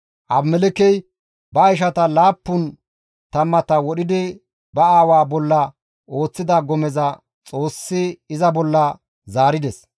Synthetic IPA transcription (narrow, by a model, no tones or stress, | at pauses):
ʔɐbmɛlɛkɛj | bɐːjʃ̬ɐt̪ɐlaːpːʊn | t̪ɐmːɐt̪ɐwɔɗɪd̪ɪ | bɐaːwaːbɔlːɐ | ʔo̞ːt͡sːɪd̪ɐɡɔmɛzɐ | t͡sʼo̞ːsːɪːzɐbɔlːɐ | zaːɾɪd̪ɛs